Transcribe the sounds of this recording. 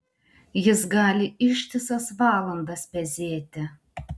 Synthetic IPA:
jɪsɡɑːlʲɪɪʃʲt̪ʲɪsɐsʋɑːlˠɐnd̪ɐspʲɛzʲeːt̪ʲɪ

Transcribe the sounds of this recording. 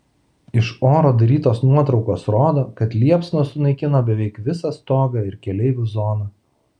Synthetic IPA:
ɪʃoːɾoːd̪ɐɾʲiːt̪oːsnuɔt̪ɾɒʊkoːsɾoːd̪oːkɐt̪lʲiɛpsnosʊnɐɪkʲɪnoːbʲɛʋʲɛɪkʋʲɪsɐst̪oːɡɐɪɾkʲɛlʲɛɪʋʲʊzoːnɐː

